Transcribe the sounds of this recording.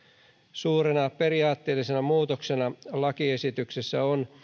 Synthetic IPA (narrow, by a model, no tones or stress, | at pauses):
suːɾenɑpe̞riɑːt̪ːeːlːisenæmuːt̪oksenɑlɑkie̞sit̪yksesːæon